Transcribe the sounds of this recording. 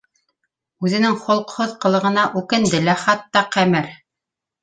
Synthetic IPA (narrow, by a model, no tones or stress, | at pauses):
ʉðɘ̆nɘŋχŏlˠqhoðqɤ̆lˠɤ̆ʁɤ̆nɑʔʉkɘ̆nd̪ɘlæχɑt̪ːɑqæmɘɾ